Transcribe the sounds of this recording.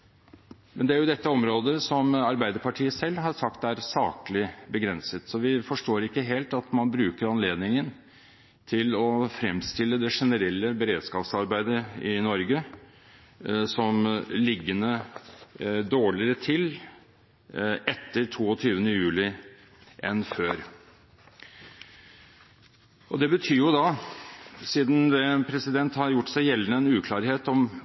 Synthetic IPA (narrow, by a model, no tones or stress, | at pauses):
mɛnd̪ɛæɾjʊd̪ɛt̪ːəɔmɾoːd̪əsɔmɑɾbæɪd̪əɾpɑʈʰiːəsɛlːɦɑɾsɑkt̪æɾsɑːkəlɪbəɡɾɛnsət̪sɔʋɪfɔʂʈoːɾɪkːəɦeːlt̪ɑt̪mɑnbɾʉːkəɾɑnleːd̪nɪŋən | t̪ʰɪlɔfɾɛmst̪ɪlːəd̪ɛʂɛnəɾɛlːəbəɾeːd̪skɑːpsɑɾbæɪd̪əɪnɔɾɡə | sɔmlɪɡːənə | d̪oːɭɪəɾət̪ʰɪl | ɛt̪ːəɾʈʰuːɔt̪ʰyːʋənəjʉːlɪ | ʔɛnføːɾ | ʔɔd̪ɛbət̪ʰyːɾjʊd̪ɑ | siːd̪n̩d̪ɛpʰɾɛsɪd̪ɛnt̪hɑɾjʊʈːsæɪjɛlːənəɛnʉːkʰlɑːɾheːt̪ɔm